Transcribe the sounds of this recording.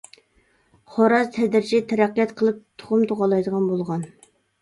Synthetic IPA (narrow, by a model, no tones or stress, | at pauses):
χoɾɑzt̪ʰɛd̪ɪɾt͡ʃʰit̪ʰɛɾæqːijɛt̪qʰəlˠɨp̚t̪ʰo̥χʊmt̪ʰoʁɑlˠɑjd̪əʁɑnbolˠʁɑn